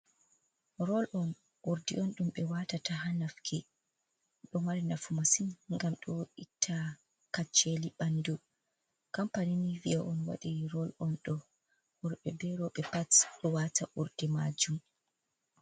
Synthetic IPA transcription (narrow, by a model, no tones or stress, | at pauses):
ɾɔlʔɔn | ʔuɾdḭʔɔnɗumɓɛwatataɦanafkʰi | ɗɔmaɾinafumasinŋɡamɗɔitʰːa | kat͡ʃːeliɓandu | kampaniniviaʔɔnwa̰ɗiɾɔlɔnɗɔ | hɔɾɓɛbɛɾɔɓɛpatɗɔwatʰaʔuɾdimad͡ʒum